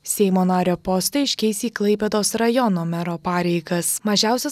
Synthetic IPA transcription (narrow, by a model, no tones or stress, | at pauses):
sʲɛɪmoːnɑːɾʲoːpɔst̪ɐɪɪʃʲkʲɛɪsʲiːklˠɐɪpʲɛd̪oːsɾɐjɔnoːmʲɛɾoːpɑːɾʲɛɪɡɐsmɐʒʲæˑʊsʲɛ